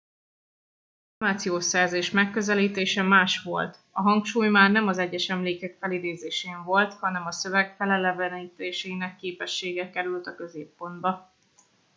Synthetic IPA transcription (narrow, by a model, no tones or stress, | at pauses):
omaːt̪sijoːʃɛrzeːʃmɛkːø̞zɛliːt̪eːʃɛmaːʃʋo̞lt̪ɒɦɒŋkʃuːjmaːrnɛmɒzɛɟːɛʃɛmleːkɛkfɛlid̪eːzeːʃeːɱvo̞lt̪hɒnɛmɒsø̞vɛɡfɛlɛlɛvɛniːt̪eːʃeːnɛkːeːpɛʃːeːɡɛkɛɾylt̪ɒkøzeːpːo̞nd̪bɒ